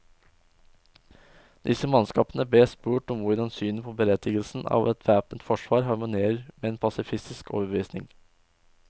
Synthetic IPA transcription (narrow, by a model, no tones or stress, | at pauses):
d̪ɪsəmɑnskɑːpənəbeːspuːʈɔmʋʊɖɑnsyːnəpʰoːbəɾɛt̪ɪɡəlsn̩ɑ̰ːʋʔɛt̪ʰʋæːpənt̪fɔʂʋɑːɾɦɑɾmʊneːɾəɾmeːeːnpʰɑsɪfɪst̪ɪsko̰ːʋəbəʋiːsnɪ̰ŋ